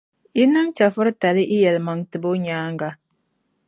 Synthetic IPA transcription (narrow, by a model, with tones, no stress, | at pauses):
i˦nɨ˦mt͡ʃa˨fɨ˦ɾta˨lɪ˦ʔɪ˦jɛ˨lma˨ŋtɨ˨bo˦ɲaː˦ŋɡa˦